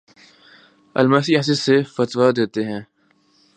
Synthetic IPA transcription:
ə̰lmaːs̬ias̬ɪzsefət̪wad̪eːt̪eɦɛ̃ː

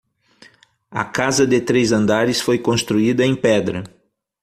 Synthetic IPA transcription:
ɐ̰kazɐd̪ɪt̪ɾezɐ̃nd̪aɾɪsfojkõst̪ɾuid̪ɐẽj̃pɛd̪ɾɐ

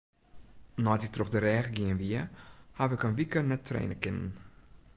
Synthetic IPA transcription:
nɔtɪk̚troxdəɾɛːɣəɡiənʋiəhafɛkənʋikənɛtːrḛːnəkɪnə̰n

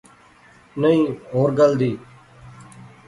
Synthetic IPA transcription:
nəĩːɦoːɾɡəld̪iː

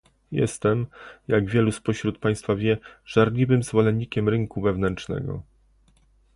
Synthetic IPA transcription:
jɛ̰st̪ɛmjaɡvʲjɛluspɔɕɾut̪̚paj̃st̪favʲjɛʐ̥aɾlʲivɘmzvɔlɛnːikʲɛmɾɘŋkuvɛvnɛntt͡ʂnɛ̰ɡɔ̰

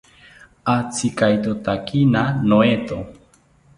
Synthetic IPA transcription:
at͡sʰikajt̪ot̪akinanoet̪o

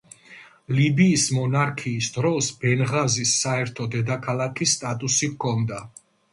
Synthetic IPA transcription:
libiːsmɔnaɾkʰiːsd̪ɾɔsbɛnʁazisːaɛɾt̪ʰɔd̪ɛd̪akʰalˠakʰisːt̪ʼat̪ʼusikʰɔnd̪a

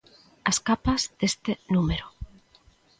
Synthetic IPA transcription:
askapazðest̪enumeɾo

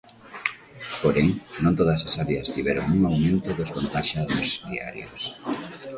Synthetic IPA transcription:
poɾeŋnõnt̪oð̞ɐsasaɾeast̪iβ̞ɛɾoŋuŋawmẽnt̪ʊðoskont̪aʃaðʊsdia̰ɾjos

